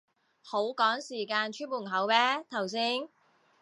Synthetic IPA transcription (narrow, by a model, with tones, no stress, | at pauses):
ho˨˥wkɔː˨˥ŋsiː˨˩kaː˧nt͡ʃʰy˥nwuː˨˩ŋ˨˩ɦɐ˨˥wmɛː˥t̪ʰɐ˨˩ws̬iː˥n